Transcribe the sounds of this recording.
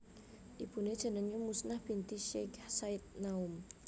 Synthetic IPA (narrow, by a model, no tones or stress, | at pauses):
ʔib̥une̥d͡ʒ̥a̤naŋɲamusnahb̥int̪iʃeksait̪̚naum